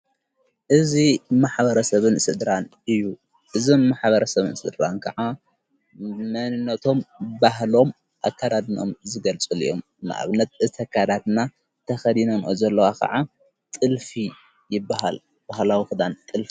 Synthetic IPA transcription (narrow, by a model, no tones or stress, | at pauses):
ʔɨzimaħbɐɾɐsɐβɨnsɨd̪ɾanʔɨjːu | ʔɨzomːaħbɐɾɐsɐβɨnsɨd̪ɾankʰɐʕa | mɐnɨnːɐt̪ʰo̞mbaɦlo̞m | ʔa̰kːad̪ad̪no̞̰mzɨɡɐlt͡sʼɨlḭʔo̞̰m | na̰ʔa̰βnɐt̪̚ɨt̪ʰɐkʰad̪at̪na | t̪ʰɐxɐd̪inɐnʔo̰zɐlːɐwakʰɐ̰ʕa | t̪ʼɨlfi | jɪbːaɦa̰l | b̥ahlawixɨd̪ant̪ʼɨlfi